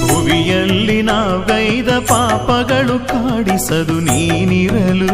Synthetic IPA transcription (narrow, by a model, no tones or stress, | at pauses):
ʊʋijɐlːinaːʋɐjðɐpaːpɐɣɐɭɯkaːɽisɐðɯniːniɾɐlɯ